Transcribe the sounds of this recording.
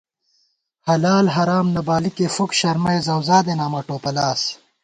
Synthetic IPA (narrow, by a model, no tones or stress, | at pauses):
hɐlaːlɦɐɾaːmnɐbaːlikefukɕɐɾmɐezɐwzaːd̪enaːmɐʈoːpɐlaːs